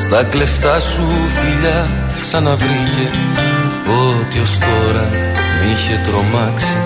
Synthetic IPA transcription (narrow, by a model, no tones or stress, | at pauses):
st̪ɐkle̞ft̪ɐsufiʎɐ | ksɐnɐvɾice̞ | o̞t̪io̞st̪o̞ɾɐ | niçe̞t̪ɾo̞mɐksi̥